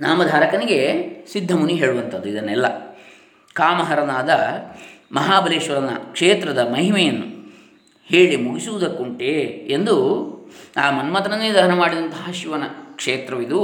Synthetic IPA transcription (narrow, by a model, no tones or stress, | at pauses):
naːmɐd̪ʱaːɾɐkɐniɡesid̪ʱːɐmuniɦe̞ːɭuʋɐnt̪ʰɐd̪ːuid̪ɐnːɛlːɐ̰ | kaːmɐɦɐɾɐnaːd̪ɐ | mɐɦaːbʱɐleːʃʋɐɾɐnːɐ̰kʂeːt̪ɾɐd̪ɐmɐɦimɛjɐnːu | heːɭimuɡisuʋud̪ɐkːuɳʈeend̪u | aːmɐnmɐt̪ɐnɐnːeːd̪ɐɦɐnɐmaːɽid̪ɐnt̪ɐɦaʃiʋɐnɐkʂeːt̪ɾɐʋid̪u